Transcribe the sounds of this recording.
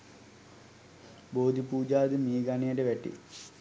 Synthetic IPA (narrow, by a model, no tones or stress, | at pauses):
boːd̪ʱipuːd͡ʑaːd̪imiːɡaːnijɐɖeʋeʈːḭ